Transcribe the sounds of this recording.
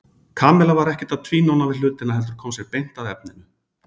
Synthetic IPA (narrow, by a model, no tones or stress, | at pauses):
kʰaːmɛlavaɾɛhcɛ̥t̪aðt̪ʰviːnownavɪlʏːt̪ɪnaɦɛlt̪ʏɾ̥kʰɔːmsjɛɣpejn̥t̪aðɛp̚nɪnʏ